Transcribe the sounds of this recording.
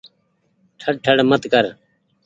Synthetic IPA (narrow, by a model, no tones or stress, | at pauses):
ʈʰəɽʈʰəɽmət̪kəɾ